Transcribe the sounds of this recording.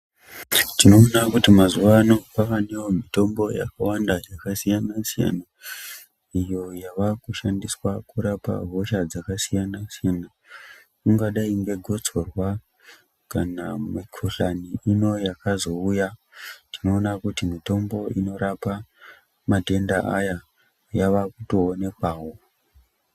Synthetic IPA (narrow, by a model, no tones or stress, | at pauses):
tino̞ːnakutimazuʋano̞paʋaneomito̞mbo̞ja̰kawandajakasijanasija̰na | ijo̞jaʋakuʃandiswakuɾapa̰ɦoʃad͡zakasijanasijana | kuŋɡaɗaiŋɡe̞ɡʱo̞t͡so̞rwa | kanamikʰoɬaniino̞jakazo̞uja | tino̞ːnakutimito̞mbo̞ino̞ɾapa | madʱe̞ndaʔaja | jaʋakutoːne̞kwaːwo̞